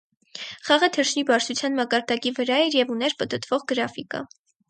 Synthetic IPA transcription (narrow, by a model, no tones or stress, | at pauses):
χɑʁət̪ʰəɾʃnibɑɾt͡sʰut͡sʰjɑnmɑkɑɾd̪ɑkivəɾɑɛɾjɛvunɛɾpət̪ət̪ʰvɔʁɡəɾɑfikə̰